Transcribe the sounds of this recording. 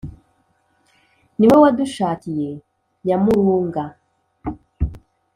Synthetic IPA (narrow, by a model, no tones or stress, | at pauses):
niwewaduʃaːkije̞ | jamuɾuːŋɡa